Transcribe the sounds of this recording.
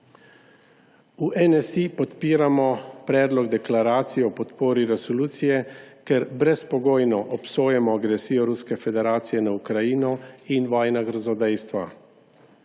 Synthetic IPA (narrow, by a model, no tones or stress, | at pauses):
uʔɛnɛsipɔt̪piːɾamɔpɾɛːd̪lɔɡd̪ɛklaɾaːt̪sijɛɔpɔt̪poːɾiɾɛsɔluːt̪sijɛkɛɾbɾɛspɔɡoːjnɔʔɔpsoːjɛmɔaɡɾɛsiːjɔɾuskɛfɛd̪ɛɾaːt̪sijɛnaukɾajinɔinʋɔːjnaɡəɾzɔd̪ɛjst̪ʋa̰